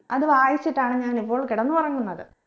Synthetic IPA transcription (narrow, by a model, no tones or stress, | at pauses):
ɐðɨʋaːjɐsiʈːaːɳɨɲaːnipːo̞ːɭkiɽɐnːɨpɐrɐɲːunːɐðɨ